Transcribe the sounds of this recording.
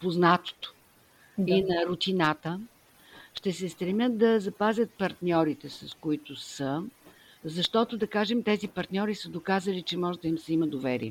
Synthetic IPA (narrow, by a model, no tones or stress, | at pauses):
poznat̪o̥t̪ʊ̥ | d̪inɐɾʊt̪inat̪ə | ʃt̪ɛsɛst̪ɾɛmjət̪̚d̪ɐzɐpazʲət̪̚pɐɾt̪nʲɔɾit̪ɛsɐskʊit̪ʊsə | zɐʃt̪ɔt̪ʊd̪ɐkaʒɛmt̪ɛzipɐɾt̪nʲɔɾisəd̪okazəlit͡ʃɛmɔʒɛd̪ɐimsɛiməd̪ovɛɾḭɛ